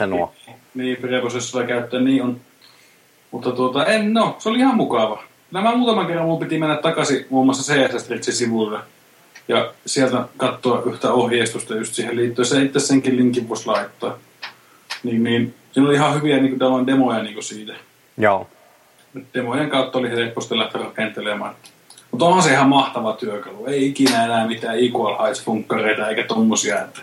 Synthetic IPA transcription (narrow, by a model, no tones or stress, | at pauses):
nniːmpirɑprosesːoɑkæˑyt̪ːæːnniːʔʔon | mut̪ːɑt̪uot̪ɑennoseoliihɑmmukɑʋɑ | kylːæmæmuːt̪ɑmɑŋkerːɑmumpit̪imenːæt̪t̪ɑkɑsiuomːɑsːɑseːæsæst̪rit̪sisiʋulːɑ | jɑsiælt̪ækɑt̪ːoɑʔyht̪æohjeˑist̪ust̪ɑjust̪siːhelliːt̪ːojsit̪eit̪ːesseŋkilliŋkiʋʋueslɑˑit̪ːoɑ | niːnniːnsiːnoliihɑhyʋiæniːŋkut̪æloˑindemojɑniːŋkosiːt̪æ | et̪d̥emojeŋkɑˑut̪ːɑolihelepːost̪ɑlæht̪erɑkent̪elemɑ̰ːnet̪ːæ̥ | mut̪onhɑnseihɑmmɑht̪ɑʋɑt̪yøkɑlueˑiikinæenæːˑmit̪æːiːkuɑlhɑespuŋkːɑreˑit̪ɑeˑikæt̪omːosiɑ̰et̪ːæ̥